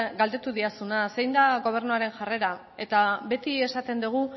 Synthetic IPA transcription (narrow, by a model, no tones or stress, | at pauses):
ɡald̪e̞t̪uðiasunase̞jnd̪aɣo̞β̞e̞ɾnuaɾe̞nʝare̞ɾa | e̞t̪aβe̞t̪ie̞sat̪e̞nd̪uɣ̞u